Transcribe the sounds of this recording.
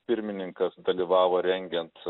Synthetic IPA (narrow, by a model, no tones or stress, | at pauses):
pʲɪɾʲmʲɪnʲɪŋkɐsd̪ɐlʲiːʋɑːʋoːɾʲɛŋʲɡʲɛnt̪